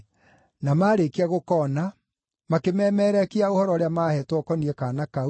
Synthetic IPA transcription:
namaːɾekeaɣokɔna | makemɛːmɛːɾɛkiaohɔɾɔɾeamaːhɛtwɔkɔniɛkanaka

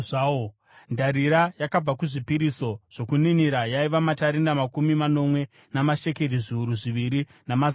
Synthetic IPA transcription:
ao | ndaɾiɾajakab͡vakuʐipiɾiso̞ʐ̥o̞kuniniɾajaiʋamataɾinamakumimano̞mwe̞ | namaʃe̞ke̞riʐiuɾuʐiʋiɾi | namaz

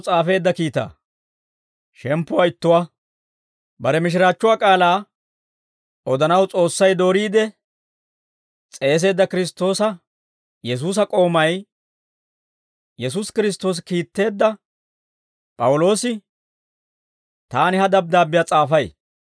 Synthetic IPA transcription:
t͡sʼaːfe̞ːd̪ːɐkiːt̪a̰ː | ʃɛmpːʊwaɪt̪ːʊwa | bɐɾɛmɪʃ̬ɪɾaːt͡ʃːʊwaːkʼaːlaː | ɔd̪ɐnɐwt͡sʼo̞ːsːɐjd̪o̞ːɾiːd̪ɛ | t͡sʼe̞ːs̬e̞ːd̪ːɐkɪɾɪst̪ːo̞ːsɐ | jɛs̬uːs̬ɐkʼo̞ːmɐj | jɛs̬uskɪɾɪs̬t̪ːo̞ːs̬kiːt̪ːe̞ːd̪ːɐ | pʼɐwʊlo̞ːsɪ | t̪aːnɪhɐd̪ɐb̚d̪aːbɪjaːt͡sʼaːfɐj

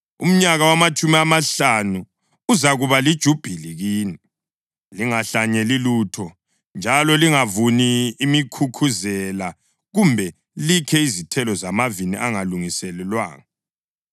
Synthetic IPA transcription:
ṵm̩ɲaɣawamat͡ʃʰʼumiamaɬanu | uzaɣuβalid̥ʒ̥ʱub̥ʱiliɣiːni | liŋaɬaɲɛliluːtʰɔ | nd͡ʒʱalɔliŋavuniːmikʰukʰuzɛla | ɣumbʱɛ | likʰɛizitʰɛlɔzamavinḭʔaŋaluŋisɛlɛlwaːŋa

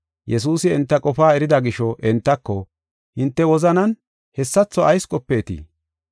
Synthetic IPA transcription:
jɛs̬uːsɪɛnt̪ːɐkʼɔfaːɛɾɪd̪ɐɡɪʃɔʔɛnt̪ːɐkːɔ | hɪnt̪ːɛwɔzɐnɐn | hɛsːɐt͡sːɔʔɐjskʼɔpːeːt̪ḭː

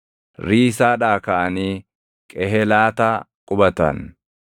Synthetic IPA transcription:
ɾiːsaːᶑaːkɐʔɐniː | kʼɛɦɛlaːt̪aːkʼʊbɐt̪ɐ̰n

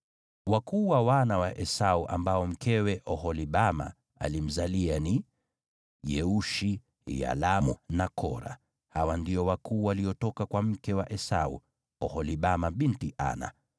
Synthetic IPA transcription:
wakuːwawanawaʔɛsauʔa̰mbaɔm̩kɛwɛʔɔhɔliɓama̰ | a̰lim̩zaliani | jɛuʃi | ja̰lamṵnakʰɔ̰ɾa̰ | hawandiɔwakʰuːwaliɔtɔkakwam̩kɛwaʔɛsaṵ | ɔhɔliɓamaɓintiʔa̰na̰

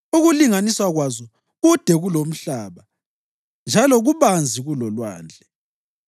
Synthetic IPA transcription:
uɣuliŋaniswaɣwazɔ | ɣud̥ʱɛɣulom̩ɬaːβa | nd͡ʒʱalɔɣuβand͡zʱiɣulɔlwa̰ːnd͡ɮʱɛ

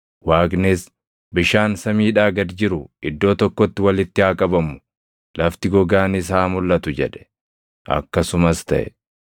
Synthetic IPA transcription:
waːɡnes | bɪʃaːnsɐmiːᶑaːɡɐd̪d͡ʒɪɾʊɪd̪ːo̞ːt̪ɔkːɔt̪ːɪwɐlɪt̪ːɪhaːkʼɐbɐmʊ̥ | lɐft̪ɪɡɔɡaːnɪs̬aːmʊlːɐt̪ʊd͡ʒɛᶑɛ̥ | ʔɐ̰kːɐsʊmɐst̪ɐ̰ʔɛ

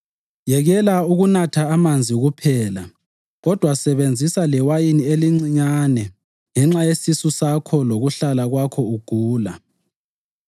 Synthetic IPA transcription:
jɛɣɛlauɣunatʰaːmand͡zʱiɣupʰɛːla | ɣɔd̥ʱwasɛβend͡zʱisalɛwajinieliŋ͡ǀiɲanɛ | ŋɛŋ͡ǁajesisusakʰɔloɣuɬalaɣwakʰɔuɡ̥ʱuːla

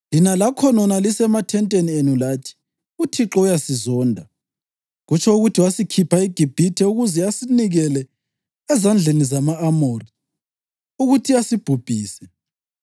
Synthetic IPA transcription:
linalakʰɔnɔnalisɛmatʰɛntʼenienulaːtʰi̥ | utʰiǁɔujasizɔːndʱa | ɣut͡ʃʰɔuɣutʰiwasikʰipʰaiɡ̥ʱib̥ʱitʰɛuɣuzɛasiniɣɛlɛ | ɛzand͡ɮʱenizamaːmoːri | uɣutʰiasib̥ʱub̥ʱiːsɛ

